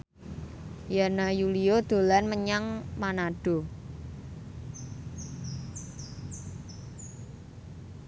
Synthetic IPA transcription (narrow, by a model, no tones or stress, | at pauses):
janajuliod̪̥o̤lanməɲaŋmanaɖ̥o̤